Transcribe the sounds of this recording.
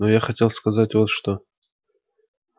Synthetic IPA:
nojaxɐtʲe̞lˠskɐzatʲvot̪ʂt̪o

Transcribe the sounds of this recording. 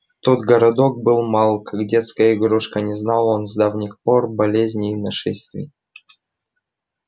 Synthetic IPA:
t̪ot̪ɡəɾɐd̪o̞k̚bɨlˠmalˠkakdʲet̪skəjəɪɡɾuʂkənʲɪznɑlˠonzd̪avnʲɪxporbɐlʲezʲnʲɪːnɐʂɛsʲt̪vʲɪ̰

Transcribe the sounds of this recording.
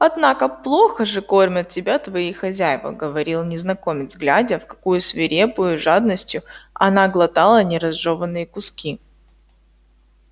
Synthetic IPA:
ɐd̪nakəplˠo̞xəʐɨko̞rmʲət̪̚tʲɪbʲat̪vɐixɐzʲæjvə̰ɡəvɐɾʲilˠnʲɪznɐko̞mʲɪd̪zɡlʲædʲəfkɐ̥kujʊsvʲɪɾʲepʊjʊʐad̪̚nəsʲtʲjʊɐ̰naɡlˠɐt̪alˠənʲɪɾɐzʐovənːɨjəkʊskʲi

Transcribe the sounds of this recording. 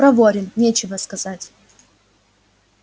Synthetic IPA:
ɾɐvoɾʲɪnnʲet͡ɕɪvəskɐz̥atʲ

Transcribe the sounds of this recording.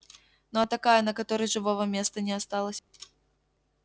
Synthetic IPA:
nɔɐt̪akajɛnɐkat̪ɔɾɨʐɨvɔvɐmʲest̪ɐnʲɛast̪alˠəsʲ

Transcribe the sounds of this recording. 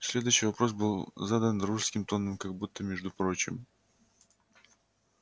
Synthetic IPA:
sʲlʲe̞d̪ʊjɕːɪjvɐpɾo̞s̬bɨlˠzad̪ənruʂskʲɪmt̪o̞nːəmkɐɡ̚but̪ːəmʲeʐd̪ʊpɾo̞t͡ɕɪ̰m

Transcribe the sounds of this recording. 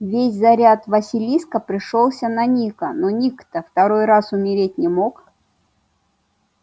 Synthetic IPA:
vʲesʲzɐɾʲat̪vɐsʲɪlʲiskəpɾʲɪʂolˠsʲənɐnʲikənonʲikt̪əft̪ɐɾo̞jrasʊmʲɪɾʲet̚ʲnʲɪmok

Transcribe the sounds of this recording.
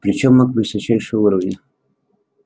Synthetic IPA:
pɾʲɪt͡ɕomːokvɨsɐt͡ɕæjʂɨjuɾəvnʲɪ

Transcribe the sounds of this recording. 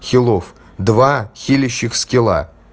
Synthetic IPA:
xʲɪlˠof | d̪vaxʲilʲɪɕːɪxʲskʲelˠa̰

